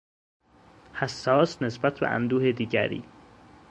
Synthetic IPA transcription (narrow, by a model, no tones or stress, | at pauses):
hæsːɒːsnesbæt̪ʰbḛʔæ̰nd̪uːhed̪iːɟæ̰ɾḭː